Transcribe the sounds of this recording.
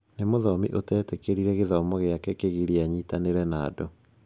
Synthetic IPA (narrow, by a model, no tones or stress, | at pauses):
nemoðɔmḭʔotɛːtɛkeɾiɾɛɣeðɔmɔɣejakɛkeɣiɾiaɲiːtaneɾɛnaːdo